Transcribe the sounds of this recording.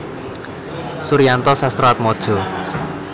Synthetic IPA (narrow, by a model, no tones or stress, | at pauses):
suɾijant̪ɔsast̪ɾɔat̪̚mɔd̥ʒ̥ɔ̤